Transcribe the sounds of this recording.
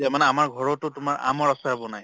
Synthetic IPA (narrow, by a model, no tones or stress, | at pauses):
tɛmanɛamaɹɡʱɔɹɔtʊtʊmaɹʔa̰mɔɹasaɦabɔnaj